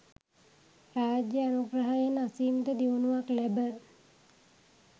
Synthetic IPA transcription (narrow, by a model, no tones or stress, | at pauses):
raːd͡ʒjəanuɡrəɦajənasiːmt̪əd̪iʋunuʋaklæbə